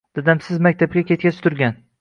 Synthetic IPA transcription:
d̪̥ad̪amsɪzmak̚ʲt̪ʰab̚kʲakʲet̪̚kʲat͡ʃʰt̪ʰʊɾɡʲan

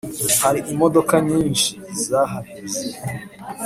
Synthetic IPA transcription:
haɾiʔimo̞do̞kaɲiːnʃiːzaɦaɡize

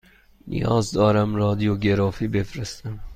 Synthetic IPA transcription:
nʔḭjɒːzd̪ɒːɾæmɾɒːd̪ijoɡeɾɒːfiːbefɾest̪æm

